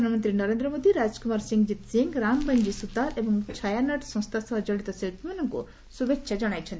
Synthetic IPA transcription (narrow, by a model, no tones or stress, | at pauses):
anɐmɐnt̪ɾinɐɾẽnd̪ɾɔmod̪iɾad͡ʒkumaɾsiŋɡd͡ʒit̪siŋɡɾaŋbəɲd͡ʒisut̪aɾebɔŋt͡ʃʰajanɐʈsɔ̃st̪ʰasɔɦɔd͡ʒɔɭit̪ɔsilpʰimanɔŋkṵ | subekʃʰad͡ʒɐɽ̃ajt͡ʃʰɔnt̪i